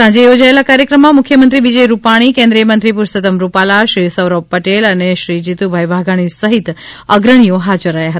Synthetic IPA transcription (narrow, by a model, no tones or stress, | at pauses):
sãd͡ʒejod͡ʒaelakaɾjəkɾəmːãmʊkʰjəmənt̪ɾiʋid͡ʒəjɾupaɽ̃ikẽnd̪ɾijəmənt̪ɾipuɾsət̪əmɾupalaʃɾisəʋɾob̚pəʈeləneʃɾid͡ʒit̪ubʱajʋʱaɡaɽ̃isəɦit̪ | əɡɾəɽ̃ijoɦad͡ʒəɾːəɦjaɦət̪a